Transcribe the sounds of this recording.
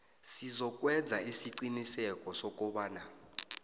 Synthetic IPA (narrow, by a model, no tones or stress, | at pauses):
sizɔk̬ʼwɛdd͡zʱaisiǀinisɛkʼɔsɔk̬ʼɔɓaːna